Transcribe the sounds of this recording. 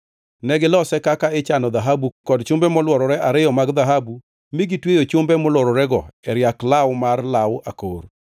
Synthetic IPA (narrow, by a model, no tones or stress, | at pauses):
nɛɡɪlɔsɛkakaɪt͡ʃanɔðaɦabukɔdt͡ʃʊmbɛmɔlwɔɾɔɾɛʔaɾɪjɔmaɡðaɦabu | miɡitwejot͡ʃʊmbɛmɔlɔɾɔɾɛɡɔɛɾjaklawmarlawa̰kor